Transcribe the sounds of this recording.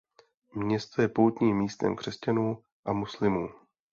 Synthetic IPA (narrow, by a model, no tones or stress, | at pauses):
mɲɛst̪ojɛpowt̪ɲiːmːiːst̪ɛ̰mkr̝̥ɛscanuː | ʔamuslɪmuː